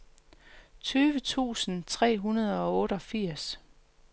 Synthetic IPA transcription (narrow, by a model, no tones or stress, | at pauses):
t͡sʰyːʋət͡sʰṵːsn̩t͡sʰʁɛ̰ːɦunɐð̞ˠɒ̽ɔ̽ːɾ̥əɒ̽fiɐ̰s